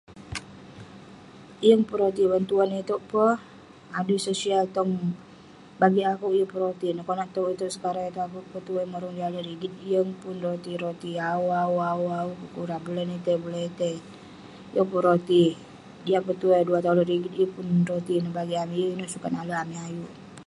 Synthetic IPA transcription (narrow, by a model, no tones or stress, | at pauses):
ijəŋpuɾot̪iwənt̪uanit̪oʔpəh | adusosialt̪ɔŋ | baɡiakuʔijəpəɾot̪inəkɔnaʔt̪oit̪oʔsə̥kaɾaŋit̪uakuʔpət̪ueməɾɔŋdiadaɾiɡit̪̚ijəŋpunrot̪iɾot̪iauauauaukukuɾabulɛnit̪ebulɛit̪e | jəŋpəɾot̪i | ijapət̪uaduat̪aulonɾiɡit̪ijəpunrot̪inəbaɡiamiʔjəinəʔsukanaləamiajuʔ